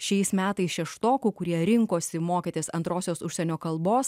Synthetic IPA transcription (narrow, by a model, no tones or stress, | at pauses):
ʃʲɛɪsmʲæːt̪ɐɪsʃʲɛʃt̪oːkuːkʊɾʲiɛɾʲɪŋkoːsʲɪmoːkʲiːt̪ʲeːsɐ̰nt̪ɾoːsʲoːsʊʃʲsʲɛnʲoːkɐlˠboːs